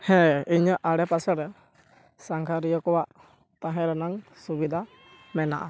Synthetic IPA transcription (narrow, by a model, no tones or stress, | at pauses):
hɛ̃iɲəʔaɽɛpasɛɾɛ | saŋkʰaɾijɔkɔwaʔ | t̪aɦɛ̃ɾɛnaŋsubid̪ʱa | mɛna̰ʔa